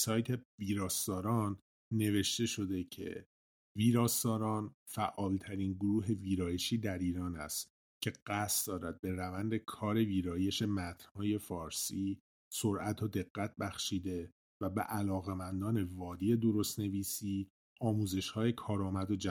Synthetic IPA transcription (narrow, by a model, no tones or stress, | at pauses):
sɒːjt̪ʰe̞viːɾɒːsd̪ɒːɾɒːnː | e̞ve̞ʃt̪e̞ʃo̞d̪e̞cʰe̞̰ | viːɾɒːst̪ɒːɾɒːnfæʔɒːlt̪ʰæɾiːnɡoɾuːɦe̞viːɾɒːje̞ʃiːd̪æɾiːɾɒːnæ̰st̪ | cʰe̞ɢ̥æst̪d̪ɒːɾæd̪̚be̞ɾævænd̪e̞kʰɒːɾe̞viːɾɒːje̞ʃe̞mæt̪ʰn̥hɒːje̞fɒːɾsiː | soɾʔæt̪ʰod̪e̞ɣːæt̪̚ʰbæxʃiːd̪e̞ | væbḛʔælɒːɣe̞mænd̪ɒːne̞vɒːd̪iːe̞d̪o̞ɾo̞st̪ne̞viːsiː | ɒːmuːze̞ʃhɒːje̞kʰɒːɾɒːmæd̪od͡ʒæ